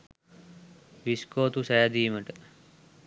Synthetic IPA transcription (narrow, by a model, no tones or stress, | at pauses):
ʋiskoːt̪usɛjad̪iːməʈə